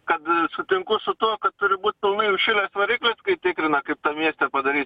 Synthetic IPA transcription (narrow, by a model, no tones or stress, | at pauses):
kɐt̪sʊt̪ʲɪŋkʊsʊt̪uɔkɐt̪̚t̪ʊɾʲɪbuːt̪ʲt̪ɐʊmʲɪjʊʃʲɪlʲeːsʋɐɾʲiːklʲeskɐɪt̪ʲɪkɾʲɪnɐkɐɪp̚t̪ɐmʲiɛsʲt̪ʲɛpɐd̪ɐɾʲiːt̪ʲ